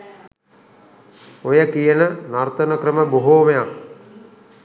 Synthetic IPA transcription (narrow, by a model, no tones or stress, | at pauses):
ojəkijənənart̪ənəkɾəməboɦoːmejaŋ